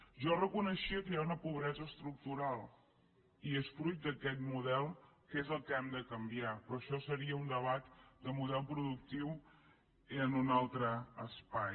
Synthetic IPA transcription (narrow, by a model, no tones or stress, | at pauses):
ʒɔrəkunəʃiəkəjaunəpuβ̞ɾɛzəːst̪ɾuk̚t̪uɾalˠ | iesfɾujt̪̚d̪əkɛt̪muðɛlˠkezəlˠkɛmd̪əkəmbiapɾɔʃɔsəɾiəund̪əβat̪d̪əmuðɛlˠpɾuðuk̚t̪iw | iənunalˠt̪ɾəːspaj